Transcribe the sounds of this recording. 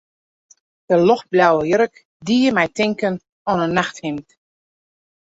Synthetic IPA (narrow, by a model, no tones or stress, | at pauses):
d̥əlɔxblawəjəɾək | diəmɛjtɪŋkən | ɔnənːaxthɪmt